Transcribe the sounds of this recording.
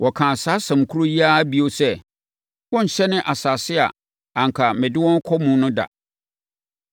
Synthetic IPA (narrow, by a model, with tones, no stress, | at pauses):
wɔ˨kʰãː˨saː˨˦sɛ̃˨m˨kʰu˦ɾo˦ji˦aː˦bi˦o˦sɛ˦ | wɔ̃˦n̩˨ɕɛ˦nɪ̃˦ʔa˨saː˨sɪ˦a̰˨ | ã˨ŋ̩˨kʰa˨mɪ̃˨dɪ˦wɔ̃˦n˦kʰɔ˦mũ˦nʊ̃˦da̰˨